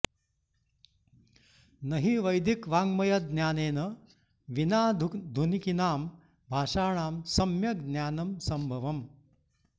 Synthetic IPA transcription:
nɐɦiʋɐjd̪ikʋaːŋɡmɐjɐd̪njaːneːnɐ | ʋinaːd̪ʱunikinaːm | bʱaːʂaːɳ̃aːmsɐmjɐɡ̪njaːnɐmsɐmbʱɐʋɐm

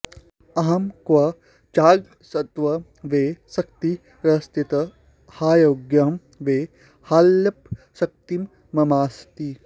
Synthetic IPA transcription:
ɐɦɐmkʋɐ | t͡ʃaːɡ | sɐt̪ʋɐ | ʋeːsɐk̚t̪i | ɾɐst̪it̪ɐ | haːjoɡjam | ʋeː | haːljɐp̚ | sɐk̚t̪imː | ɐmaːst̪i

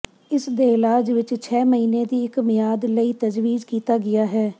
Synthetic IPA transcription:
ɪsd̪eːɪlaːd͡ʒʋɪt͡ʃt͡ʃʰɛːməɦiːneːd̪iːɪkmɪjaːd̪ləiːt̪əd͡ʒʋiːd͡ʒkiːt̪aːɡɪjaːɦɛː

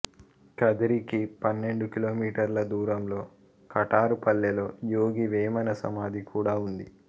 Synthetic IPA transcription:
kɐd̪ɐɾikipɐnːe̞ɳɖukilo̞ːmiːʈɐɾlɐd̪uːɾɐmlo̞ː | kɐʈaːɾupɐlːɐlo̞ːjoːɡiʋeːmɐnɐsɐ̰maːd̪ikuːɽaːund̪ḭ

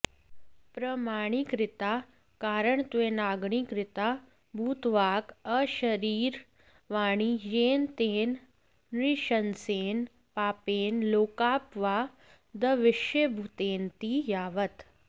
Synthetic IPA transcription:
pɾɐmaːɳ̃ikɾɪt̪aː | kaːɾəɳt̪ʋenaːɡɳ̃ikɾɪt̪aː | bʱuːt̪ʋaːkəʃɐɾiːɾ | ʋaːɽ̃ijeːnt̪eːn | ɾɪʃɐnseːn | paːpeːnloːkaːpʋaː | d̪ɐʋɪʃebʱut̪eːnt̪iːjaːʋət̪

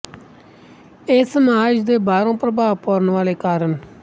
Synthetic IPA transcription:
eːsəmaːd͡ʒd̪eːbaːɾõːpɾəbaːʋpoːɾənʋaːleːkaːɾən

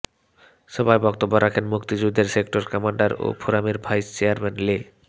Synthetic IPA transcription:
ʃɔbajbɔk̚t̪obːoɾʔakʰenmukt̪id͡ʑud̪ʱːeɾsekʈoɾkɔmaɳɖaɾo̰pʰoɾameɾbʱajst͡ɕeaɾmenle

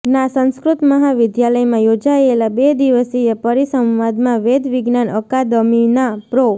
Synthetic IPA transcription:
nasə̃ñskɾʊt̪məɦaʋɪd̪jaləjmãjod͡ʒaelabed̪iʋəsiepəɾisə̃mʋad̪mãʋed̪ʱʋɪɡnanəkad̪əminapɾo

